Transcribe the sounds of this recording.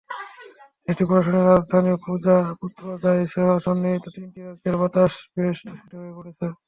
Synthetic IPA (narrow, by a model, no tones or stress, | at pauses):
eʈipoɾaʃoneɾad͡ʑd̪ʱaniopud͡ʑaput̪ːɾod͡ʑ̪ʱaeʃeɦaʃɔnːit̪ot̪inʈiakeɾbat̪aʃpesʈʰʃeʈiɦoepoɽet͡ɕʰe